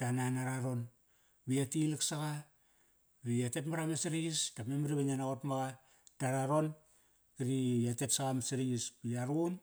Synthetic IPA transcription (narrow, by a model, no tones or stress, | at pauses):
tananaɾaɾo̞n | biatiliksaɣa | βiatetmaɾamesiɾiɡistamemiɾiβaɲanaotmaɡa | daɾaɾo̞n | kiɾiatetsaɣamaseɾiɡisbiaɾun